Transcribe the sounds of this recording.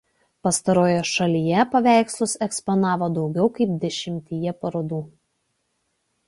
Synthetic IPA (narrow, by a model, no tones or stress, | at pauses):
pɐst̪ɐɾoːjoːʃɐlʲiːjɛpɐʋʲæˑɪkslˠʊsɛkspɔnɑːʋoːd̪ɒʊɡʲɛʊkɐɪp̚d̪ʲɛʃʲɪmʲt̪ʲijɛpɐɾoːd̪uː